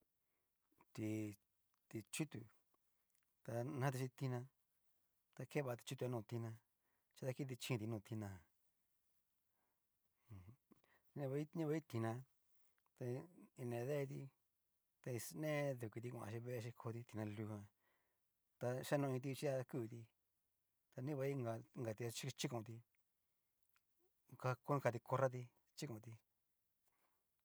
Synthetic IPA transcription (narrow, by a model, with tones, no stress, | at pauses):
t̪i˧ | t̪i˧t͡ʃu˦t̪u˧ | t̪a˧nã˦t̪̬i˧ʃi˧t̪i˧nã˧ | t̪a˧kʰe˦βa˧t̪i̥˧t͡ʃu˦t̪u˧a˧nũː˧t̪i˧nã˧ | t͡ʃa˧t̪a˧ki˦t̪̬i˧t͡ʃĩ˧t̪i˧nũː˧˨t̪i˧nã˧˨˧ | nẽ˧βa˧i˦ɲĩ˦βa˧˦i˦t̪i˧nã˧ | t̪a˧i˧nẽ˨˧ðe˦˧t̪̬i˧ | t̪a˧i˧snẽ˦ðu˨ki˧t̪̬i˧kʷã̰˧ʃĩ˧βe˦˧ʃ̬i˧kʰo˧t̪i˧t̪i˧nã˧lu˧hã˧ | t̪a˧ʃa˦nũ˧ĩ˧t̪̬i˧t͡ʃi˦a˧ku˦˨˧t̪i˧ | t̪a˧nĩ˦βa˧i˦ŋɡa˧˨ŋɡa˨˧t̪i˧a˧t͡ʃi˦˧t͡ʃi˦kõ˧˨˧t̪i˧ | ka˧ko˦ĩ˧ka˧t̪i˧ko˧ɾa˦t̪̬i˧ | t͡ʃi˦kõ˧˨˧t̪i˧